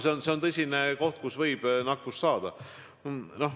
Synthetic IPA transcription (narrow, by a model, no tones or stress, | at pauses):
seonseo̞nt̪ɤsʲineko̞ht̪̚kusvɤjb̥nɑkːˑust̪sɑːd̪̥ɑ | no̞h